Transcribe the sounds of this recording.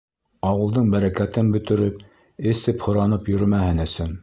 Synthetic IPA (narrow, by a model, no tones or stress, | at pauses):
ɑwɤ̆lˠd̪ɤɴbæɾækæt̪ɘnbɵ̆t̪ɘ̆ɾɵp̚ | ɘ̆sɘphŏɾɑnɤpjɵ̆ɾɘmæhɘnɵ̆sɵn